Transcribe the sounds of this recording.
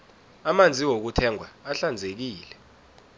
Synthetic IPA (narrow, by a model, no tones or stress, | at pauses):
amand͡zʱiwok̬utʰɛŋʱwaːɬand͡zʱek̬iːlɛ